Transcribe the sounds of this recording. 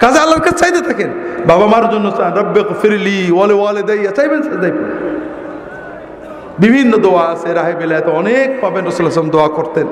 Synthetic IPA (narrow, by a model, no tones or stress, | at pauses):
kazaalːaɾkat͡ʃajt̪et̪ʰakenbabamaɾd͡ʒonːosanɾɐbːeɣfiɾliwalewaːled̪ɛjːat͡ʃajbensad̪ajbe | bibʱinːod̪oaːseɾaɦebelaat̪eɔnek̚bʱabenɾɐsuleslamd̪oakɔɾt̪en